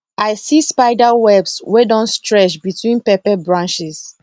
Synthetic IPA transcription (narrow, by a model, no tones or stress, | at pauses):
aɪsispaɪdawɛbswɛdɔ̃nstɹɛt͡ʃbitʰwĩnpɛpɛbɹãnʃis